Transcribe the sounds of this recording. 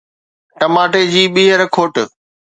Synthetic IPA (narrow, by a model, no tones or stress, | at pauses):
ʈɐmaːʈed͡ʑiːɓiːɦəɾkʰoːʈ